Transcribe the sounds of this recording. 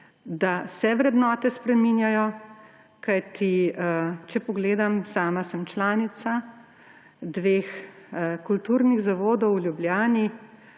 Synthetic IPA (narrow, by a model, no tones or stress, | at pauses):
d̪asɛʋɾɛd̪nɔːt̪ɛspɾɛminjajɔ | kajt̪ʰi | t͡ʃɛpɔɡleːd̪amsaːmasɛmt͡ʃlaːnit̪sa | d̪ʋeːxkult̪uɾniɣzaʋoːd̪ɔwlʲjubljaːni